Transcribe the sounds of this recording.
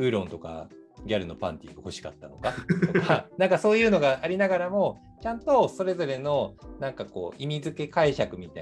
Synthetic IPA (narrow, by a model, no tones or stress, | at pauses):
ɯ̟ːɾõ̞nt̪o̞ka̰ | ɡʲaɾɯ̟no̞pã̰nt̪ʲḭːɡaho̞ɕi̥ka̰t̪ːano̞kaoanãŋkaso̞ːjɯ̟ːno̞ɡaːɾʲinaɡaɾamo̞ | t͡ɕãnt̪o̞so̞ɾe̞zo̞ɾe̞no̞nãŋkako̞̰ːʔimʲizɨke̞kaiɕakɯ̟mʲit̪a